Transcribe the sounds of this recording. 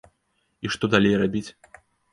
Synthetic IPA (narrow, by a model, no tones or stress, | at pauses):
iʂt̪ɔd̪alʲejrabʲit͡sʲ